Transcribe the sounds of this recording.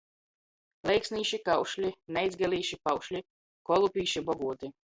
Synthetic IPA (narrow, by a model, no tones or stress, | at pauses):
lʲɛjksniːʃikawʃlʲinɛjzɡɛlʲiːʃipawʃlʲi | kɔlˠupʲiːʃibɔɡuːt̪i